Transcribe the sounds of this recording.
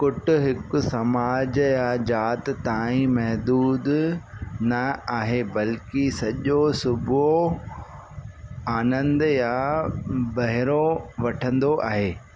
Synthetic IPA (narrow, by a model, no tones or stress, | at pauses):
kʊʈʰʊ̆ɦɪkʊ̆sɐmaːd͡ʑjad͡ʑaːt̪t̪aːĩmɐɦd̪uːd̪ | nɐaːɦebɐlkisɐʄosʊbʱo | aːnə̃nd̪ja | bɐɦɪɾoʋɐʈʰə̃nd̪oʔa̰ːɦeː